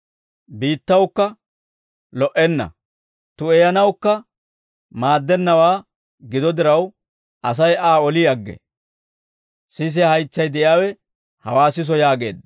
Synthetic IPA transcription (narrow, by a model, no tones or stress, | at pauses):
biːt̪ːɐwkːɐ | lɔʔɛnːɐ̰ | t̪ʊɛjɐnɐwkːɐ | maːd̪ːɛnːɐwaː | ɡɪd̪ɔd̪ɪɾɐw | ʔɐs̬ɐjʔaːɔlɪjɐɡːɛ̰ | sɪs̬ɪɐhɐjt͡sːɐjd̪ɛʔɪjaːwɛ | hɐwaːsɪs̬ɔjaːɡe̞̰ːd̪